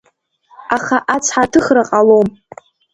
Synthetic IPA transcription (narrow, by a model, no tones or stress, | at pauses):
aχaʔat͡sʷʰħatʰɨχraqʼalom